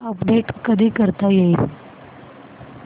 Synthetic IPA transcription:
əpɖeʈkəd̪ʱiːkəɾt̪ajeil

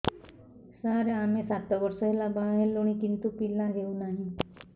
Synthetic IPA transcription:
saɾeamesat̪ɔbɔɾsɔɦelabaɦelːoɽ̃ikint̪upilãɡeunaɦĩ

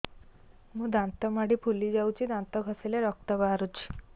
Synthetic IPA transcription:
mũd̪ãnt̪ɔmaɽipʰulid͡ʒaut͡ɕid̪ãnt̪ɔɡʱəseleɾɔk̚t̪əbaɾut͡ɕʰi̥

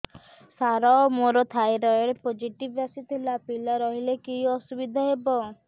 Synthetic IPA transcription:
saɾɔmoɾɔt̪ʰajɾɔjeɾepod͡ʒiʈibasit̪ʰilapilaɾɔɦilekiɔsubid̪ʱaɦebɔ

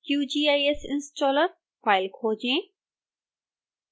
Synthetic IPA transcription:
kjuːd͡ʒiːaːjesɪ̃nsʈɔːləɾ | faːɪlkʰoːd͡ʑẽː

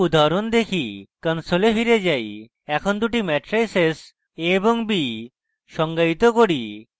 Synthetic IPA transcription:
ud̪ʱaɾond̪ekʰikənsolefiɾed͡ʒaj | ɛkʰond̪uʈimɛʈɾejses | eboŋbi | ʃɔŋɡait̪okoɽi

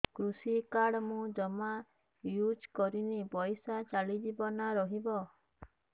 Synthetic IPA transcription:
kɾusikaɽmũd͡ʒɔma | jud͡ʒkɔɾinipɔjsat͡ʃalid͡ʒibɔnaɾɔɦibɔ

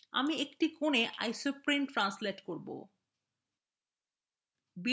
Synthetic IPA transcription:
a̰miekʈikoneʔa̰jsupɾimʈɾansleʈkoɾbo̰ | bi

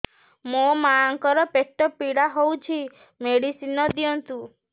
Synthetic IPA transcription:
momaaŋkɔɾɔpeʈːɔpiɽaɦowt͡ʃʰi | meɽisinɔd̪iɔnt̪u

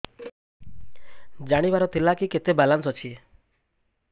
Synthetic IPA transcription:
d͡ʒaɽ̃ibaɾɔt̪ʰilakiket̪ebalansɔt͡ʃʰi

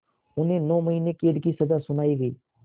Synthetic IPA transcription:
ʊnɦẽːnɔːməɦiːnekeːəɗkisəd̪aːsʊnaːiːɡəiː

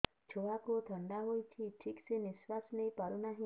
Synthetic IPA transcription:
t͡ʃʰoʋakot̪ʰəɳɖaɦojt͡ʃʰiʈʰikseniswasnejpɔɾunaɦĩ

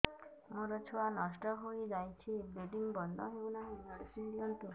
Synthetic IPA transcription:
mũɾɔt͡ʃʰwanɔsʈɔɦojd͡ʒajt͡ʃʰibeɖiŋbɔnd̪ʱɔɦeunaɦeɔɽisind̪iɔnt̪u

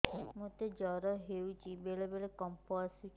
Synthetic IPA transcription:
mot̪ed͡ʒɔɾɔɦewt͡ʃibeɭebeɭekɔmpɔsut͡ʃ

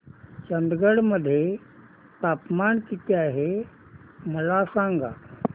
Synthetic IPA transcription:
t͡ɕɐ̃nd̪ɡəɽmɐd̪ʱje | t̪aːpmaːnkɪt̪iaːɦe | mɐlaːsãːŋɡaː

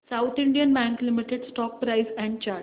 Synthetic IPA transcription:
saʊt̪ʰĩɳɖijənbæ̃ŋklimiʈeɖsʈɔːk̚pɾaɪsɛ̃ɳɖ̚t͡ɕaːɾʈ

